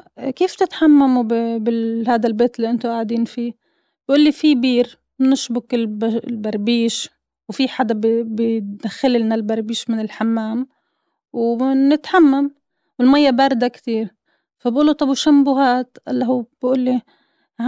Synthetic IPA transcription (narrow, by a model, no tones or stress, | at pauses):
keːft̪ɪt̪ħamːamubɪbɪhaːd̪albeːt̪ɪlːiʔɪnt̪oʔaʕd̪iːnfiː | bʔuːlːifibiːɾ | mɪnɪʃbʊkɪlblbaɾˤbiːʃ | wfiħad̪abbɪd̪axːɪlɪlnalbaɾˤbiːʃmɪnɪlħamːaːm | wnɪt̪ħamːam | wɪlmajːabaːɾˤd̪akt̪iːɾ | fabʔuːlːut̪ˤɑbuʃambʊɦaːt̪ʔalːaɦuːbʔuːlːi